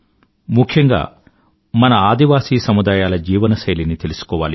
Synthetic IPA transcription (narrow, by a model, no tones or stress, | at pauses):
mukʰjɐŋɡa̰ː | mɐnɐaːd̪iʋaːsiːsɐmud̪aːjaːlɐd͡ʒiːʋɐnɐʃɐjlinit̪e̞lusu̥kɔːʋa̰ːli